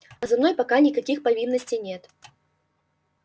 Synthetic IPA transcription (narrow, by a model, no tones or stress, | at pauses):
ɐzamnojpakanʲikɐkʲixpɐvʲinːəsʲtʲijnʲɛt̪